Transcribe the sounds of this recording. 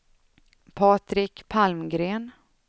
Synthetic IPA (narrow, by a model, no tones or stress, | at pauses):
pʰɑːt̪ɾɪkpʰalmɡɾeːn